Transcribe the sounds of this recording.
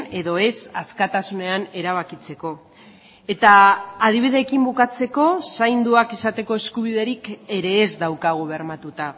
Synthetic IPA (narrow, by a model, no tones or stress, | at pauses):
e̞ðo̞e̞saskat̪asune̞ane̞ɾaβ̞akit͡se̞ko̞ | e̞t̪aːð̞iβ̞iðe̞ːkimbukat͡se̞ko̞sajnd̪uakesat̪e̞ko̞e̞skuβ̞iðe̞ɾike̞ɾe̞ːzd̪awkaɣ̞oβɾmat̪ut̪a